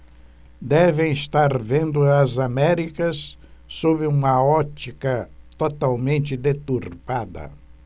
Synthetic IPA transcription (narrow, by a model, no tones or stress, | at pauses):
d̪ɛvẽj̃ɪst̪aɾvẽnd̪ʊɐzamɛɾikɐsː | obɪũmɐɔt͡ʃ̪ikɐt̪ot̪awmẽnt͡ʃ̪ɪd̪et̪uɾpad̪ɐ̰